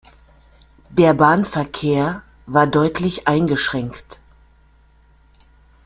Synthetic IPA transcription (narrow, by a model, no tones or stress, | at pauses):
d̥eːɐbaːnfɛɐkʰeːɐ | vaːɐdɔʏtʰlɪçʔaɪnɡəʃʁ̥ɛŋkt